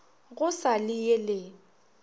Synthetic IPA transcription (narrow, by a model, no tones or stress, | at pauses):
ɣʊsalɪjelɪ